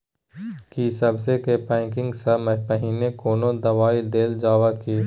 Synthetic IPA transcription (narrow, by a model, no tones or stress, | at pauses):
kisɐbsekepɛ̃ːŋkɪ̃ŋɡsɐmɐpɐɦiːnekoːnõd̪ɐʋaːid̪eːld͡ʒaːwakiː